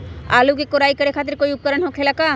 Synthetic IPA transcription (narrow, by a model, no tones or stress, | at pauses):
a̰ːlukekoɾaːikɐɾekʰaːt̪̬ɪɾkoːiʊp̚kəɾənɦokʰeːlakaː